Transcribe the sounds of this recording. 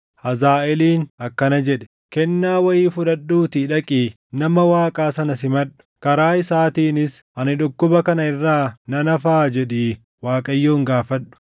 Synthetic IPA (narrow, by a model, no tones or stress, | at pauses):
hɐzaːɛliːnɐkːɐnɐd͡ʒɛᶑɛ̥ | kɛnːaːwɐjiːfʊᶑɐɗːuːt̪iᶑɐkʼiː | nɐmɐwaːkʼaːsɐnɐsɪmɐᶑʊ̥kɐɾaːɪsaːt̪iːnɪs | ɐnɪᶑʊkːʊbɐkɐnɐɪrːaːnɐnɐfaːd͡ʒɛᶑeː | waːkʼɐjːoːŋɡaːfɐᶑʊ̥